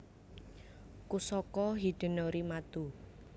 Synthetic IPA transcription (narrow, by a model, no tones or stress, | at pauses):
kusɔkɔɦid̪̥ə̤nɔɾimat̪u